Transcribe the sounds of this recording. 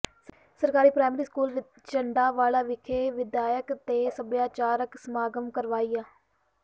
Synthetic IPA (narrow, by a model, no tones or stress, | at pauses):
səɾkaːɾiːpɾaːjmɾiːskuːlʋɪt͡ʃ | t͡ʃəɳɖaːʋaːlaːʋɪkʰeːʋɪd̪aːjəkt̪eːsəbjaːt͡ʃaːɾəksmaːɡəmkəɾʋaːiːaː